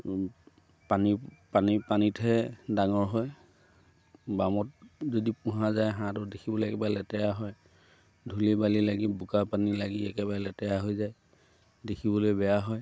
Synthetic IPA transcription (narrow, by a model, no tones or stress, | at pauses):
panipanipanitʰɛdaŋɔɹɦɔj | bamɔt̚zodipʊ̃ɦazajɦãtʊdekʰibɔloɛkɛbalɛtɛjaɦɔj | dʱulibalilaɡibukapanilaɡiɛkɛbaɹɛlɛtɛjaɦojzaj | dekʰibɔlojbɛjaɦɔj